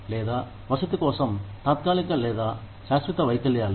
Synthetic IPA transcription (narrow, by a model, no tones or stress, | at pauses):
lɛːd̪aː | ʋɐsɐt̪ikɔːsɐmt̪aːt̪̚kaːlikɐlɛːd̪aː | ʃaːsʋit̪ɐʋɐjkɐljaːl